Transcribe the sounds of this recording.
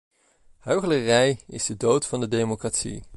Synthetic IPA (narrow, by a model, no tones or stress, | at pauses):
høɥχələrɛjɪ̰zdədowtfɑndədejmokratsḭ